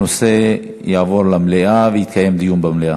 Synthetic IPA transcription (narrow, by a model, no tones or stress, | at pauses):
ose̞ | javo̞ɾlamleʔavejit̪kaje̞md̪ijumbamleʔa